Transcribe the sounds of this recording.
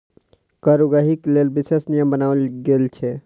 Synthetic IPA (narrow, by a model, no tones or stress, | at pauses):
kaɾuɡəɦiklelbisesnijəmbənalɡelt͡ʃʰɛ